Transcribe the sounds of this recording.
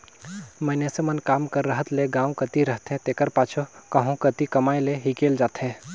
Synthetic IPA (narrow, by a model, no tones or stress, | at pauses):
mənesemənkaːmkəɾːəɦət̪leɡãːwkət̪iɾəɦt̪ẽt̪eːkəɾpaːt͡ʃʰokəɦũkət̪ikɐmaːjleɦikeːld͡ʒaːt̪ɦɛ̃